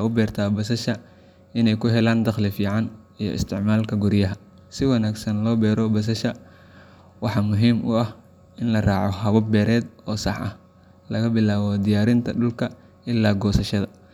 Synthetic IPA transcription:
ʊbɛːrt̪ʰaːbɐsɐʃɐ | ʔɪnɛjkʰʊɦɛlaːnd̪ɐχlɪfiːʕɑn | ijɞ̰ɪ̰st̪ʰɪʕmaːlkʰɐɡʊɾjɐɦɐ | sɪwɑnaːɡsɐnlɔːbɛːɾɔbɐs̬ɐʃɐ | wɑħɑːmʊɦiːmʊɐh | ɪnlɐrɑːʕɔɦɐβɐbɛːɾɛːd̪ɔːsɑħʔɐ̰h | lɐɣɐbɪlaːβɔd̪ɪjaːɾɪnt̪ʰɐɗʊlkʰɐ | ʔɪlːaːɡɔːsɐʃɐðɐ

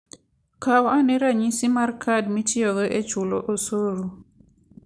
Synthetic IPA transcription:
kawanɛɾaɲisimarkʰadmitʰɪɔɡeʔet͡ʃʊlɔʔosoɾu

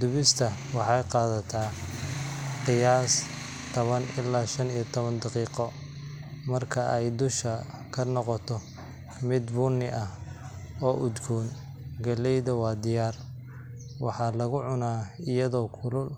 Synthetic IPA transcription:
d̪ʊβɪst̪ʰɐ | wɑħɑjqɑːðɐt̪ʰaː | qɪjaːs | t̪ʰɔβɐnʔɪlːaːʃɐnijɐt̪ʰɔβɐnd̪ɑqiːqɔ | mɐrkʰɐʔɛjd̪ʊʃɐkʰɐnɔqɔt̪ʰɔ | mɪd̪bʊnɪʔɐh | ɔːʔʊd̪ɡʰuːn | ɡɐlɛjðɐwɑːd̪ɪjaːr | wɑ̰ħɑːlɐɣʊʕʊnaːɪjɐðɔːkʰʊlʊl

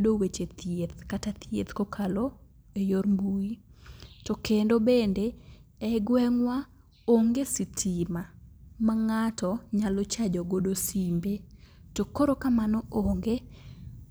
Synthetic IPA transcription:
dowet͡ʃet̪jet̪katat̪jḛt̪kokʰalɔ | ejoɾmbuitɔkendobendeɛɡwɛŋwa | oŋɡesitʰimamaŋatɔɲalɔt͡ʃad͡ʒɔɡodosimbe | tokoɾokamanɔoŋɡe

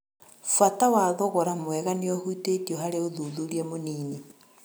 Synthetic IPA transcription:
fwatawaðoɣoɾamwɛɣaneohuitetioɦaɾeoðuðuɾiamoniːni

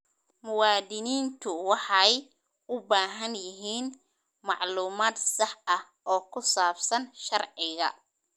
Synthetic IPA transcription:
mʊwɑːd̪ɪniːnt̪ʰʊwɑħɑj | ʊbaːɦɐnjɪɦiːn | mɑʕluːmaːd̪sɑħɐh | ʔɔːkʰʊsaːbsɐnʃɐrʕɪɣɐ̰

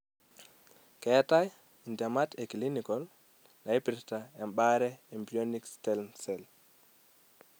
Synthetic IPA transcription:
kɛtaj | indɛmatekilinikɔl | naipiɾtaɛmɓaɾɛembionikstɛlnsɛl

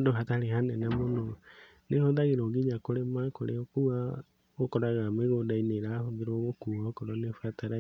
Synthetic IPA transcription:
doɦataɾehanɛnamono | nehoðaɣeɾoɣiɲakoɾemakoɾeokua | okɔɾaɣameɣodaineɾahoðeɾoɣokuwaokɔɾɔnefwataɾa

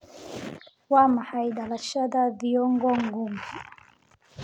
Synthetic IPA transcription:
wamahaiɗalaʃadaviɔŋɡɔŋɡumvu

